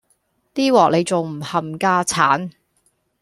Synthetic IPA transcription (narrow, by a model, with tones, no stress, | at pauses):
t̪iː˥wɔː˨k̚ne˨˧jt͡sʊ˨˩ŋm̩˨˩hɐ˨mkaː˥t͡sʰaː˨˥n